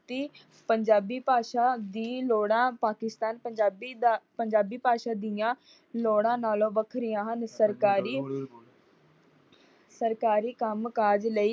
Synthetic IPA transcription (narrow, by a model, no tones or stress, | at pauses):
t̪eː | pəɲd͡ʒaːbiːpaːʃaːd̪iːloːɽãːpaːkɪst̪aːnpəɲd͡ʒaːbiːd̪aːpəɲd͡ʒaːbiːpaːʃaːd̪ɪjãː | loːɽãːnaːlõːbəkʰɾɪjãːɦənsəɾkaːɾiː | səɾkaːɾiːkəmkaːd͡ʒləiː